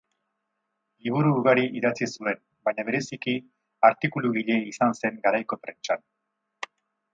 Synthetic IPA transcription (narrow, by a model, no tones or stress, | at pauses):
liβ̞uɾuːɣaɾiʔiðat͡sisue̞n | baɲaβ̞e̞ɾe̞siki | aɾt̪ikuluɣiʎe̞isanse̞ŋɡaɾajko̞pɾe̞nt͡ʃan